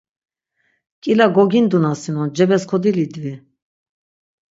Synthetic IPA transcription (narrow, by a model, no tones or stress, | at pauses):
kʼilaɡɔɡind̪unasinɔd͡ʒɛbɛskʰɔd̪ilid̪vi